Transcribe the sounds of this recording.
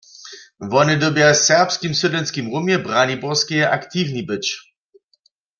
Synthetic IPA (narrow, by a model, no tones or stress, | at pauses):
vɔnɪd̪ɔbjasɛʁpskimsudlɛnskimʁumjɛbʁanibɔʁskijɛʔakt̪iːvnibɨt͡ɕ